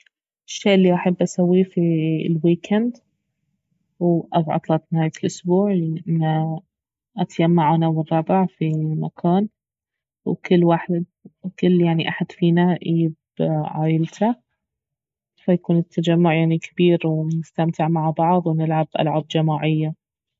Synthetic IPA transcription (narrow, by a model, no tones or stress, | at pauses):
ʔɪʃːeːʔlːiʔaħabːʔasawːifilwiːkʰand̪ | wʔabʕɑ̰t̪ˤlɑt̪nhaːjalʔʊsbuːʕʔɪnːa | ʔat̪jamːaʕanawɨrˤːɑbɪʕfimakʰaːn | wkɪlːwaħd̪kɪlːjaʕniʔaħad̪fiːnaʔiːɪb | ʕaːjɪlt̪ʰa | fajakuːnɪt̪ʰːad͡ʒamːʊʕjaʕnikʰabiːɾwnɪst̪amt̪ʰɪʕmaʕbɑʕðˤwnɪlʕabʔa̰lʕab̚d͡ʒamaːʕɪjːa